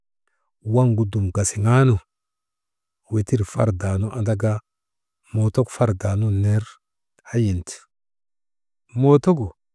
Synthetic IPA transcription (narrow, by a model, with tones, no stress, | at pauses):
wa˦ŋɡu˨du˨mɡa˨si˨ŋa˦nu˨ | we˨ti˦ɾfa˦ɾda˨nu˦ʔa˨da˦ɡa˦ | mo˨to˦kfa˦ɾda˨nu˦ne˦ɾ | a˦ji˨nt | mo˨to˦ɡu˨